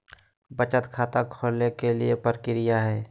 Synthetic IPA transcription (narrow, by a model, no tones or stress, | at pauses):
bət͡ʃət̪kʰaːt̪akʰoːlnekeliepəɾkɪɾɪjaɦɛː